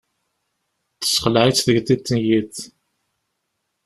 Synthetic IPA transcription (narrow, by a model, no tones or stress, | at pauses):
θə̥sχəlʕit͡sːðəɡθit͡s̪ːənjiθ